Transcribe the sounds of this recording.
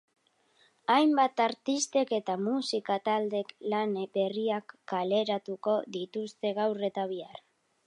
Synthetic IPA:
ajmbat̪aɾt̪ist̪e̞ke̞t̪amusikat̪ald̪e̞klanbe̞riakːale̞ɾat̪uko̞ðit̪ust̪e̞ɣawre̞t̪aβ̞iar

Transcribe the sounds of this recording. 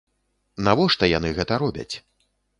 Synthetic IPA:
navɔʂt̪ɔjanɨɣɛt̪ɐɾɔbʲɐ̰t͡sʲ

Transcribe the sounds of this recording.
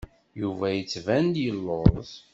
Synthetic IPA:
juvæjət͡sːvænd̪jəlːoɾˤz

